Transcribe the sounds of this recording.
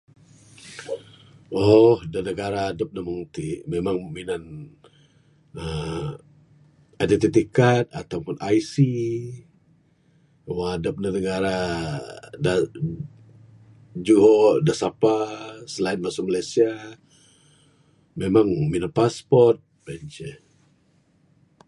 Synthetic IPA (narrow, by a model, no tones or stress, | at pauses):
ɔhdanəɡaɾaːdəp̚naməŋt̪imemaŋminan | ə | adɛt̪it̪ikat̪̚a̰t̪awpʊnajsi | waadəp̚nənəɡaɾa | da | d͡ʒuɦɔdasapasəlaɪnmasʊmalajsia | memaŋminanpaspɔrt̪̚bɛnt͡ʃɛ